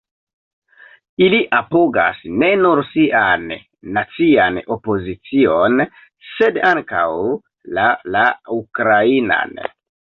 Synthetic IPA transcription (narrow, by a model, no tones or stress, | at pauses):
iliʔapoɡa̰sne̞nuɾsiʔanː | at͡siano̞po̞zit͡sion | se̞daŋka̰w | lalaukɾaina̰n